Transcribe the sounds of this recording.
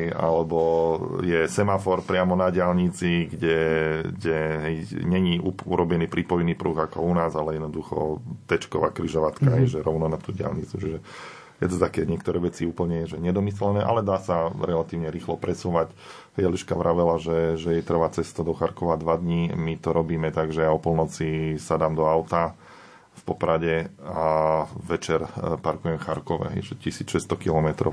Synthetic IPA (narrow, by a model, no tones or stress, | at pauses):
a̰lɛbɔjɛsɛmafɔɾpɾɪamɔnaɟɪalɲit͡siɡɟɛɡɟɛɦɛjɲɛɲiuuɾɔbɛniːpɾʔipɔjniːpɾuːɣakɔunaːzalɛjɛd̪nɔd̪uxɔ̰t̪ɛt͡ʃkɔʋa̰ːkɾiʒɔʋat̪kaɦɛjjʒɛɾɔʊnɔnat̪uːɟɪa̰lɲit͡sut͡ʃiʒɛ | jɛt̪ɔt̪akɛɲɪɛkt̪ɔɾɛːʋɛt͡siuːpl̩ɲɛjɛʒɛɲɛd̪ɔmislɛnɛːʔa̰lɛd̪aːsaɾɛlat̪iːʊɲɛɾiːxlɔpɾɛsuːʋac | ɦɛjliʃkaʋɾʔaʋɛlaʒɛʒɛjɛt̪r̩ʋaːt͡sɛst̪ɔd̪ɔxaɾkɔʋad̪ʋad̪ɲimit̪ɔɾɔbiːmɛt̪aɡʒɛjaɔpɔlnɔt͡sisad̪aːmd̪ɔaʊt̪a | fpɔpɾaɟɛaʋɛt͡ʃɛɾpaɾkujɛmxaɾkɔʋɛ̰ɦɛ̰jʒɛcisiːt͡sʃɛst̪ɔkilɔmɛt̪ɾɔ̰